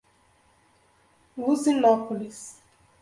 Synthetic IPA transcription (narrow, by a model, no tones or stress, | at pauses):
wuzinapʰolis